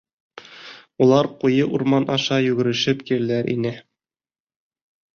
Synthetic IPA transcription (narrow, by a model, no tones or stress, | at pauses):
ulˠɑɾqujɤʔuɾmɑnʔɑʃɑjʉɡɘ̆ɾɘ̆ʃɘpkiɾɘlæɾʔḭnɘ